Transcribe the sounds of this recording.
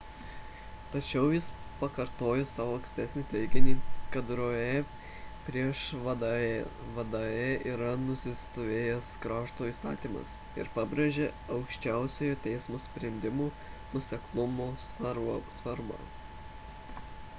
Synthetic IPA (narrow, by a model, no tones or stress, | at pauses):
t̪ɐt͡ʃʲɛʊjɪspɐkɐɾt̪oːjosɑːʋoːɐŋksʲt̪ʲɛsʲnʲiːt̪ʲɛɪɡʲɪnʲiːkɐt̪ɾoe | pʲɾʲiɛʃ | ʋɐd̪ɑeiːɾɐnʊsʲɪst̪oːʋʲeːjɛskɾɑːʃt̪oːiːst̪ɑ̰ːt̪ʲiːmɐ̰s | ɪ̰ɾpɑːbʲɾʲeʒʲeː | ɐʊkʃʲt͡ʃʲæˑʊsʲɛjot̪ʲɛɪsmoːsʲpʲɾʲɛnʲd̪ʲɪmuː | nʊɔsʲɛklˠʊmoːsɐɾsʋɐɾbɑ̰ː